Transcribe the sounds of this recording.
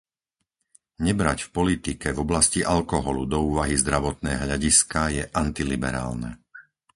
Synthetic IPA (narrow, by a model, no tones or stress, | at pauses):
ɲɛbɾacfpɔlit̪ikɛvɔblasciʔalkɔɦɔlṵd̪ɔuːʋaɦizd̪ɾaʋɔt̪nɛːɦʎaɟiskajɛʔant̪ilibɛ̰ɾa̰ːlnɛ̰